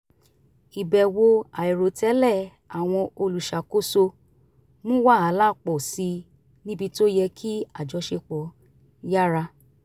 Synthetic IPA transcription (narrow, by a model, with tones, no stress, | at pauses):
i˨bɛ˨wo˧a˨i˨ɾo˨tɛ˨˦lɛ˦˨ | a˨w̃ɔ̃˧o˧lu˨ʃa˨ko˦so˧ | mũ˦wa˦˨a˨˦la˦˨k͡pɔ˨si˧ | nĩ˦bi˧to˦jɛ˧kʰi˦a˨d͡ʒɔ˨˧˦ʃe˧k͡pɔ˨˦ | ja˦ɾa˧